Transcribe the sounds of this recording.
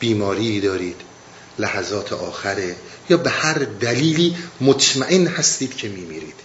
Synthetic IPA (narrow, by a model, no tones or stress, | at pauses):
b̥iːmɒːɾiːd̪ɒːɾiːd̪̥ | læhæzɒːt̪ʰḛʔɒːxæɾejɒːbehæɾd̪æliːliːmot̪ʰmæʔenhæst̪iːd̪̥cʰe̞miːmiːɾiːd̪̥